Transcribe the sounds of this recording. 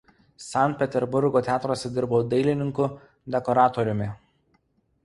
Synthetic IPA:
sɑnt̪̚pʲɛt̪ʲɛɾbʊɾɡoːt̪ʲæːt̪ɾoːsʲɛd̪ʲɪɾboːd̪ɐɪlʲɪnʲɪŋkʊ | d̪ʲɛkɔɾɑːt̪ɔɾʲʊmʲɪ

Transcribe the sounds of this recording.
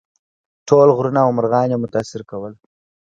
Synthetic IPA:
ʈʰolɣɾunawməɾɣɑnjemʊt̪aːsɪɾkawəl

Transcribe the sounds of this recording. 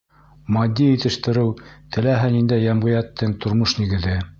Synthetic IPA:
mɑd̪ʲːijit̪ɘ̆ʃt̪ɘ̆ɾɘwt̪ʰɘ̆læɦɘnind̪æjːæmʁɤ̆jæt̪ːɘŋt̪ʰŏɾmoʃniɡɘ̆ðɘ

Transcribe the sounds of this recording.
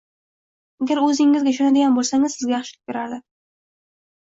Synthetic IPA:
aɡʲaɾɵzɪŋːɪzɡʲaʃonad̪ɪɡʲanbolˠsaŋɪzsɪzɡʲajaɑχʃɪlɪ̥k̚ʲbʲeɾaɾd̪ɪ

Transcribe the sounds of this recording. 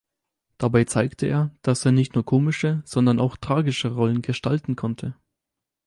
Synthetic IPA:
d̥abaɪt͡saɪktʰəʔeːɐd̥aseːɐnɪçtnuːɐkʰoːmɪʃəz̥ɔndɐnaʊxtʁ̥aːɡɪʃəʁɔlənɡəʃtaltn̩kʰɔntʰə

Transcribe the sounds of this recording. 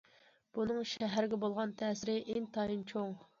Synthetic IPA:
b̥unɨŋʃɛɦæɾɪɡʲɛbolˠʁɑnt̪ʰɛːsɪɾɪʔeŋt̪ʰɑjint͡ʃʰoŋ

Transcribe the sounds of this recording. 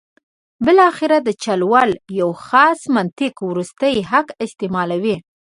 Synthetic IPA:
bɪlɑxɪɾad̪ət͡ʃalwaljawxɑsmant̪ɪkwɾust̪əjɦakɪst̪emɑlawi

